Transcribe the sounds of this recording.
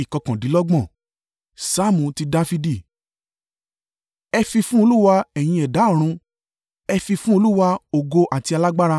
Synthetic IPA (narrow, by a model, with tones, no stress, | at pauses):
i˨kɔ˨kã˨di˨˦lɔ˦ɡ͡bɔ̃˦˨ | sa˦˨mũ˨ti˧da˧fi˧di˦˨ | ɛ˧fi˧fũ˦o˧lu˦wa˧ɛ˨j̃ĩ˧ɛ˨da˨˦˨ɾ̃ũ˧ | ɛ˧fi˧fũ˦o˧lu˦wa˧o˨ɡo˧ʔa˨ti˧a˧la˦ɡ͡ba˦ɾa˧